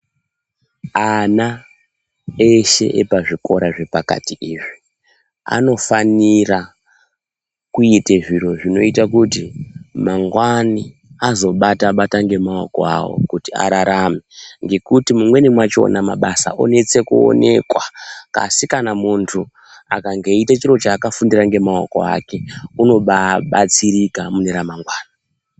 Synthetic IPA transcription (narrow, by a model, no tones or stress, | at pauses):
ana | eʃe̞̰ʔepaʐiko̞ɾaʐe̞paka̰tiʔiʐi | a̰no̞fanira | kuiteʐiro̞ʐino̞itakutimaŋɡwani | azo̞ɓataɓataŋɡe̞maokoa̰wo̰kutia̰ɾaɾameŋɡe̞kutimumwe̞nimwat͡ʃo̞̰nama̰ɓasa̰ʔo̞̰ne̞t͡se̞kuo̰ne̞̰kwaka̰sikanamuntʰu | a̰kaŋɡeitat͡ʃiɾo̞t͡ʃaːkafundiraŋɡe̞maoko̞̰a̰ke̞uno̞ɓaɓat͡siɾikamuneɾamaŋɡwaːna